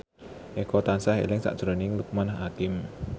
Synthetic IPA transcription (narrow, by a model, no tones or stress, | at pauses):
ʔekɔt̪ansaɦḛlɪŋsa̰ʔʒ̥ɾɔnɪŋluk̚manhakɪm